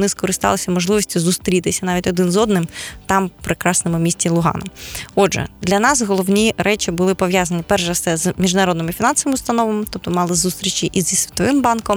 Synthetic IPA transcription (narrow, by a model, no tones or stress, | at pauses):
nɪskɔɾɪst̪ɑ̰lˠɪsʲɐmɔʒlˠɪʋɔsʲtʲizʊst̪ɾʲit̪ɪsʲɐnɑʋʲitʲɔd̪ɪnzɔd̪nɪmt̪ɑmpɾɪkɾɑsnɔmʊmʲisʲt͡sʲilˠʊɦɑ̰nɐ̰mɔdʒɛ̰d̪lʲɐnɑsɦɔlˠɔwnʲiɾɛt͡ʃʲibʊlˠɪpɔʋjazɐnʲipɛrʒɛsɛzmʲiʒnɐɾɔd̪nɪmɪfʲinɑnsɔʋɪmʊst̪ɐnɔʋɐmt̪ɔp̚t̪ɔmɑlˠɪzust̪ɾʲit͡ʃiʔizisʲʋʲit̪ɔʋɪmbɑnkɔm